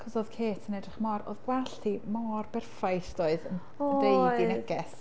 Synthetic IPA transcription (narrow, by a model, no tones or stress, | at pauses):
kʰɔsoːðkʰeːtʰənɛdrɪχmɔɾo̰ːðɡwɛɬtʰimɔːrbɛrfajsd̥oːɨðən | dejdinɛɡɛs